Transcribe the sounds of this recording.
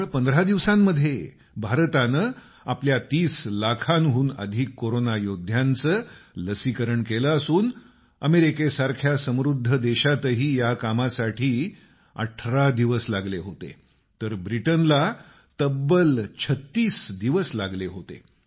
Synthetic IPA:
pənd̪əɾad̪iʋsamːəd̪ʱːje | bʱaɾt̪anə | apljat̪iːslakʰanɦuːnə̰d̪ʱikːoɾonajod̪ʱjant͡səːləsikəɾəɳkeləasuːn | əmeɾikesaɾkʰjasə̃mɾud̪ʱːəd̪eɕat̪əɦiːjakamasaʈʰiː | ə̰ʈʰɾad̪iʋəslaɡleɦot̪ḛ | t̪əɾbɾiʈənla | t̪əbəlt͡ɕʰət̪ːiːsd̪iʋəslaɡleɦot̪ḛ

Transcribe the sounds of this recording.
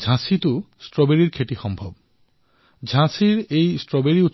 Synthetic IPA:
d͡ʑʱãsit̪o | sʈɾɔbeɾiɾkʰeʈixɔmbʱob̚ | d͡ʑʱãsiɾejsʈɾɔbeɾiut̪ː

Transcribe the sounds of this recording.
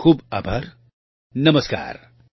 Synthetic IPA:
kʰuːbɐbʱɐɾ | nɐməska̰ːɾ

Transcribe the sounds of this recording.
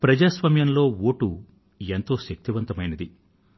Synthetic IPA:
pɾɐd͡ʒaːsʋɐmjɐnlo̞ːwoːʈu | ent̪o̞ːʃɐk̚t̪iʋɐnt̪ɐmɐjnɐd̪i

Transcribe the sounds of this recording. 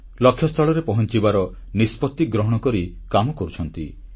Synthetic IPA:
lɔkʰːjɔst̪ʰɔɭɔɾepɔɦɔnt͡ʃibaɾɔ | nispɔt̪ːiɡɾɔɦɔɽ̃ɔkɔɾikamɔkɔɾut͡ʃʰɔnt̪ḭ

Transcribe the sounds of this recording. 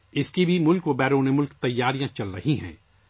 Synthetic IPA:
ɪskibʱimʊlkʋobɛːɾoːnemʊlkt̪ɐjːaːɾijãt͡ʃɐlɾɐɦiɦɛ̰̃ː

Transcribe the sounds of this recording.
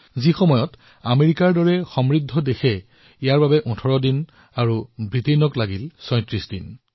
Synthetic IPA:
zixɔmɔjɔt | ameɹikaɹdɔɹɛxɔmɹidʱːɔdexɛ | ijaɹbabɛʔɔ̃tʰɔɹɔdin | aɹubɹitenɔklaɡilsɔj̃tɹisdin

